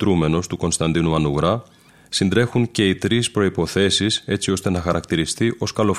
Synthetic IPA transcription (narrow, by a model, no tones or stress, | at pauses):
ɾume̞no̞st̪uko̞nst̪ɐnd̪inumɐnuɣɾɐ | sind̪ɾe̞xuɲce̞it̪ɾispɾo̞ipo̞θe̞sise̞t͡sio̞st̪e̞nɐxɐɾʔɐkt̪iɾist̪iʔo̞skɐlo̞f